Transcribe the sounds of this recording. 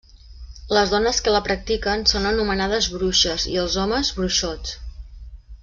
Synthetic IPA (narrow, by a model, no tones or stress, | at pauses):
ləzðɔnəskələpɾək̚t̪ikənsonənumənað̞əzβɾuʃəzḭəlˠzɔməzβɾuʃot͡s